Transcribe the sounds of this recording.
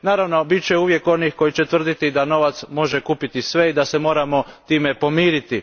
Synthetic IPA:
naːɾaʋno̞bit̪t͡ɕeuːʋje̞ko̞nixko̞jit͡ɕet̪ʋr̩d̪it̪id̪ano̞ʋat̪smo̞ʒekuːpit̪isʋe̞id̪asemo̞ːɾamo̞t̪iːmepo̞miːɾit̪i

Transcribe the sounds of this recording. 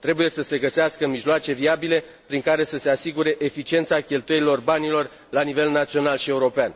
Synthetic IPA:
t̪ɾe̞buje̞səse̞ɡəseaskəmiʒloat͡ʃe̞viabile̞ | pɾiŋkaɾe̞səse̞asiɡuɾe̞ʔefit͡ʃie̞nt̪sakʲe̞lt̪uje̞ɾilo̞rbanilo̞r | lanive̞lnat̪sio̞nalʃie̞uɾo̞pean

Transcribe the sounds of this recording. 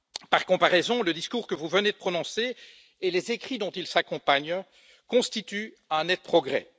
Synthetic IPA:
paʁkɔ̃paʁɛzɔ̃ləd̪iskuːʁkəvuvəned̪əpχɔnɔ̃seː | lezekχid̪ɔ̃t̪ilsakɔ̃paɲ | kɔ̃st̪it̪y | ɛ̃nɛt̪̚pχɔɡʁɛ̰

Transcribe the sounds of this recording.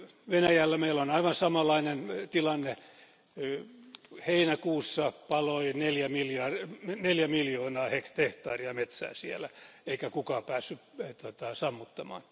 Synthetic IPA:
ʋenæjælːæmeilːonɑiʋɑnsɑmɑlːˑɑinent̪ilɑnːe | heinækuːsːɑpɑloineljæmiljɑrneljæmiljoːnɑːhekt̪eht̪ɑːriɑmet̪sæ̰ːsielæeikækukɑːpæːsːyt̪ot̪ɑsɑmːut̪ːɑmɑ̰ːn

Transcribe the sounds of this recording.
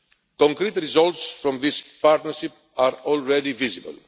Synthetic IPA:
kõŋkɾit̪ɾizalt̪sfɾõmðispaɾt̪nɐɾʃip | aɾolɹed̪ivizibə̰l

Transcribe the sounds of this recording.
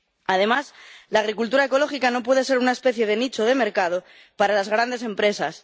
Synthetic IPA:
að̞e̞maslaːɣ̞ɾikult̪uɾae̞ko̞lo̞xikano̞p̬we̞ð̞e̞s̬e̞ɾunae̞spe̞θje̞ð̞e̞nit͡ʃo̞ðe̞me̞ɾkað̞o̞ | paɾalazɣɾand̪e̞s̬e̞mpɾe̞sas

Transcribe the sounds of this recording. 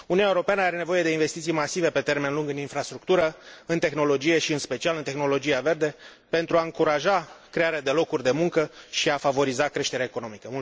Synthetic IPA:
uniuneuɾo̞peanəaɾe̞ne̞vo̞je̞d̪e̞inve̞st̪it̪sijmasive̞pe̞t̪e̞rme̞nluŋɡɨninfɾast̪ɾuk̚t̪uɾəɨnt̪e̞xno̞lo̞d͡ʒije̞ʃiɨnspe̞t͡ʃialɨnt̪e̞xno̞lo̞d͡ʒijave̞rd̪e̞pe̞nt̪ɾuaɨŋkuɾaʒakɾe̞aɾead̪e̞lo̞kurʲd̪e̞muŋkəʃiafavo̞ɾizakɾe̞ʃt̪eeaeko̞no̞mikəmu

